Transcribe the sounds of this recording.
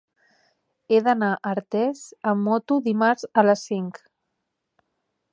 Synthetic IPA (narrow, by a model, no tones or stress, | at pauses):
eðənaʔəɾt̪ɛzəmːɔt̪uðimaɾzələsːiŋk